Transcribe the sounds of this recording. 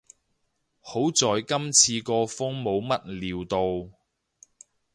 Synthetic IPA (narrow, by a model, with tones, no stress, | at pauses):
ho˨˥wt͡sɔː˨jkɐ˥mt͡sʰiː˧kɔː˧fʊ˥ŋmo˨˧wmɐ˥t̚liː˨wt̪o˨w